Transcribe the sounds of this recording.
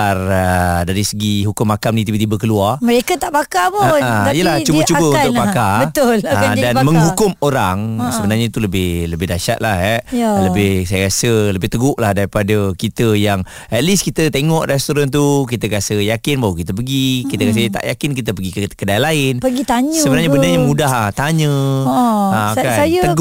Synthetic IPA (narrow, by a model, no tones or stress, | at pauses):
arədaɾisəɡiɦukʊmːakamnit̪ibət̪ibəkəluarməɾekat̪aʔbakapʊaijəlaht͡ʃubət͡ʃubəunʊk̚bakabət̪ʊlaadanməŋɦukʊmoɾaŋsəbənarɲait̪uləbɪhləbɪdaʃa̰t̪̚lahɦɛʔləbɪhsajakasələbɪht̪əɡʊʔlahdaɾipadəkit̪əjaŋ | ʔɛt̪̚liskit̪ət̪eŋɔʔrɛst̪oɾant̪̬uk̬it̪əkasəjakɪnbaɦwəkit̪əpəɡikit̪əkas̬ət̪a̰ʔjakɪnkit̪̬əp̬əɡikəkədajalaɪnpəɡit̪aɲəsəbənarɲabəndəɲamudaht̪aɲə̃ | akaajət̪əɡ